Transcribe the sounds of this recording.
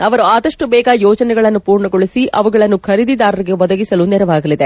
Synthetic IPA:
ɐʋɐɾuaːd̪ɐʂʈubɛːɡajɔːd͡ʒɐnɛɡɐɭɐnːupuːɾɳɐɡoɭisiʔʔɐʋuɡɐɭɐnːukʰɐɾid̪id̪aːɾɐɾiɡe̞ʋɔd̪ɐɡisɐlunɛɾɐʋaːɡɐlid̪e

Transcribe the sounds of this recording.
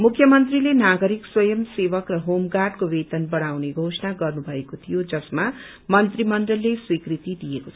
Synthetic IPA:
mukʰjʌmʌnt̪rilenaɡʌɾikswʌjʌmsebʌkrʌɦomɡaɖkowet̪ʌnbʌɽ̃awneɡʱosʌnaɡʌrnubʱʌekot̪ʰijod͡zʌsma | mʌnt̪rimʌnd̪ʌllːeswikrit̪id̪ijekot͡sʰʌ

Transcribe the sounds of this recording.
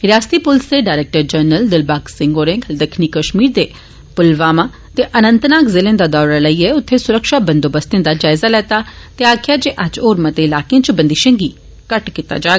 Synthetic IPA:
ɾjaːst̪iːpʊlst̪eɖaːɾeːk̚ʈəɾd͡ʒəɾnəld̪ɪlbaːksɪ̃ŋɡoːɾẽɡd̪əkʰnikəʃmiːɾd̪eː | pʊlʋaːmãː | t̪eʔənə̃nt̪naːkzɪlẽːd̪ad̪ɔːɾaləiɛʊt̪ʰːesʊɾəkʃabə̃nd̪oːbəst̪ẽd̪aːd͡ʒaːɪzalɛːt̪at̪eaːkʰɪjad͡ʒeːʔəd͡ʒoːɾmət̪eɪlaːkeãt͡ʃbənd̪iʃə̃ŋɡiː | kəʈkit̪a̰d͡ʒaː

